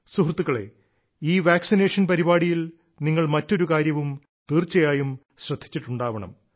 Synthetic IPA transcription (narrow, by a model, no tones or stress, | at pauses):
suɦrt̪ːuɣɐɭe̞̰ | iːʋaːksineːʂɐnpɐɾibaːɽijil | niŋːɐɭmɐtːo̞ɾukaːɾjɐʋum | t̪iːrt͡ɕːɐjaːjum | ɕrɐd̪ʱːi̥t͡ɕːiʈːuɳɖaːʋɐɳɐ̰m